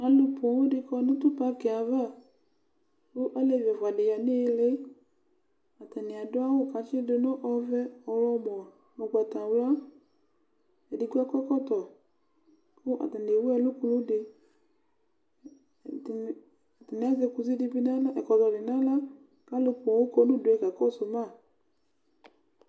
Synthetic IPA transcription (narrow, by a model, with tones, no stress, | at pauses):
a˨˦lʊ˧po˨wʊ˦dɪ˧kɔ˧˦nʊ̃˦tʊ˦pa˦kɛ˨a˨va˦˨ | kʊ˦ʔa˦le˨vɛ˨vwa˨de˨ja˨ne˦˧le˦ | a˨ta˨nɪ˨a˨dʊ˦a˦wo˦ka˨˦t͡ʃɪ˦de˧nʊ˦ʔɔ˧vɛ˦ɔ˨ɾɔ˦bɔ˨ | o˨ɡ͡ba˨tã˨wla˦ | ɛ˨di˨ɡu˦ɛ˦kɔ˦kɔ˦t̪ɔ˨ | kʊ˦ʔa̰˨ta˨ne˨wo˦ɛ˦˧lo˦ku˧nũ˦de˨ | ta˨n˨˦a˦ze˧ku˧zi˦di˧bi˧nã˦la˦ɛ˨kɔ˨tɔ˨dɪ˨nã˦la˦ | ka˦lo˦ku˨wo˦ko˦nũ˦du˨ɛ˨ka˨kɔ˦so˨mã˦˨